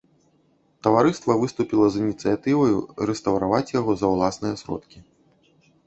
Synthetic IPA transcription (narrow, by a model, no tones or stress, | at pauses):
t̪ɐvaɾɨst̪vɐvɨst̪upʲilˠɐzinʲit̪sɨjat̪ɨvɐjṵɾɛst̪ɐwɾavat͡sʲjaɣɔzɐwlˠasnɨjɐsɾɔ̰t̪kʲi